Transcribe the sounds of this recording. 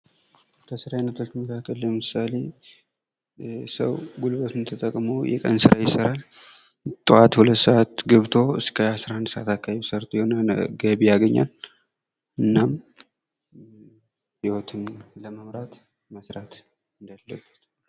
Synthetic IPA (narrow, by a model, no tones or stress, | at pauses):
kʰəsɨɾajnət̪ʰult̪məkʰakʰʼːəlːəmɨsale̞ | sə̰wɡulbət̪ʰɨmt̪ʰət̪ʼəkʼmojɛ̰kʼə̰nsɨɾʔajɪsəɾal | t̪ʼɨat̪hulət̪ːsəʔat̪ɡɨβt̪ʰo̞ɨ̰skʰəasɾahɨnd̪səʔat̪akʰːaβeβsəɾt̪ʼjɛhonəɡəβijaɡəɲːa̰l | ʔɨnːam | hiwot̪ʰɨmləməmɾat̪ | məsɾat̪ | ɨnd̪alːəbːət̪